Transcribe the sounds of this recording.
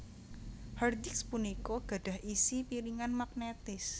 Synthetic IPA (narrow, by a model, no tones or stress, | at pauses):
hard̪ikspunikoɡ̥ä̤ɖ̥ä̤hʔisipiɾiŋanmak̚net̪ɪs